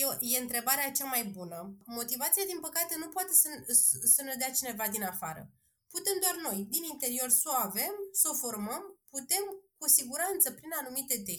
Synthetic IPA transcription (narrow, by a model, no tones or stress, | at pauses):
eje̞ɨnt̪ɾe̞baɾeat͡ʃamajbunəmo̞t̪ivat̪siad̪inpəkat̪e̞nupoat̪e̞səsəned̪eat͡ʃine̞vad̪inafaɾə̰ | put̪e̞md̪oarʲno̞jd̪inint̪e̞ɾio̞rsoave̞mso̞fo̞rməmput̪e̞mkusiɡuɾanɨnt̪səpɾinanumit̪e̞t̪e